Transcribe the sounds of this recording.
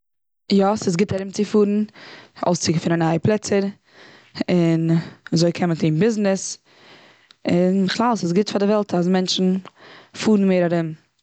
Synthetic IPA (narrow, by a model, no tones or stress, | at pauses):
jɔsɪsɡɪtaɾɪmt͡sɪfuːɾn̩o̰ʊst͡sɪɡəfɪnənaɪplˠɛt͡səɾ | ɪnazoɪkʰɛməntiːnbɪznɪs | ɪnɪχlˠalˠsɪs̬ɡɪtfaɾdɪvɛlˠtʰasmɛnt͡ʃn̩fuːɾn̩meːɾaɾɪm